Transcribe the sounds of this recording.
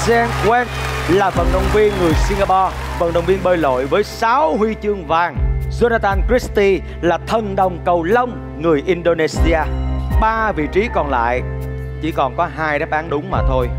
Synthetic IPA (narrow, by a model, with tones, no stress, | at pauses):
sɛ˧nkwɛ˦˥t̚laː˨˩və̰˧˨nɗə˨˩wŋ͡mvi˧ənŋɨ˨˩əjsi˧ŋɡaː˧pɔ˧ | və̰˧˨nɗə˨˩wŋ͡mvi˧ənɓəː˧jlo̰˧˨jvəː˨˦jsaː˨˦whwi˧t͡ɕɨ˧əŋvaː˨˩ŋzo˧naː˧t̪aː˧nkɹi˦˥st̪i˧ | laː˨˩t̪ʰə˨˩nɗə˨˩wŋ͡mkə˨˩wlə˧wŋ͡m | ŋɨ˨˩əjʔi˧nɗo˧ne˧si˧aː˧ɓaː˧vḭ˧˨t͡ɕi˨˦kɔ˨˩nla̰ː˧˨j | t͡ɕḭ˧˩kɔ˨˩nkɔ˨˦ɦaː˧jɗa˦˥p̚ʔaː˨˦nɗʊ˨˦ŋ͡mmaː˨˩t̪ʰo˧j